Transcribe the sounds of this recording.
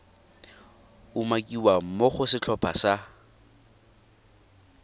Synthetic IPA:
umakʼiwam̩moχʊsɪt͡ɬʰɔpʰasa

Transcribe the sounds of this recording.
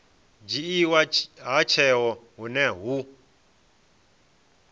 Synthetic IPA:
d͡ʒiiwaɦat͡ʃʰɛɦɔɦunɛɦu

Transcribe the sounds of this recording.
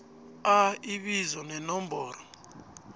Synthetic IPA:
aiɓizɔnɛnɔmbʱɔːɾɔ

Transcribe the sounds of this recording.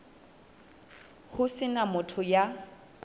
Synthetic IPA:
hʊsɪnamʊtʰʊja

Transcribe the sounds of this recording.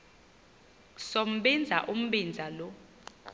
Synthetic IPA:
sɔm̩ɓɛnd͡zʱaʔum̩ɓind͡zʱalɔ

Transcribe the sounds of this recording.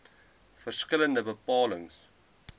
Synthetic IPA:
fərskələndəbəpɑːləŋs

